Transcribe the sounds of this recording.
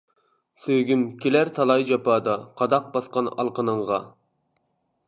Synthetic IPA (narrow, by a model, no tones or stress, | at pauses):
søɡʲymkʲʰelæɾt̪ʰɑlˠɑjd͡ʒɑpɑːd̪ɑqʰɑd̪ɑq̚bɑsqɑnɑ̰lˠqənɨɴʁɑ